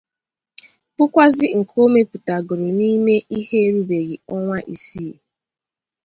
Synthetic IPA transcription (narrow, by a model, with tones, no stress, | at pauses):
pʊ˦kʷa˦zɪ˦ŋ̩˨kʰo˦me˦pu˨ta˨ɡʊ˨ɾʊ˨ni˦me˦ʔi˦ɦe˦e˦ɾu˦be˨ɣi˨ɔ˦ŋʷa˦ʔi˨si˦˨